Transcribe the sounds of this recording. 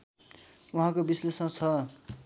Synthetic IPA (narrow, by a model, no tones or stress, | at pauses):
uɦãkobislesmãt͡sʰʌ